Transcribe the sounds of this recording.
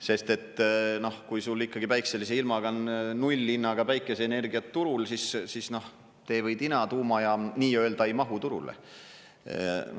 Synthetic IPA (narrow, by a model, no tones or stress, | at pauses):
se̞st̪e̞t̪ːˑno̞hkujsulːikːɑɡ̥ipæjkselis̬eilmɑɡ̥ɑnnulʲːinːɑɡ̥ɑpæjkːˑe̞seːne̞rɡ̥iɑt̪ːuɾulsissisno̞h | t̪e̞vɤjd̪inɑt̪uːmɑjɑniːøeld̪ɑjmɑɦut̪uɾṵlḛ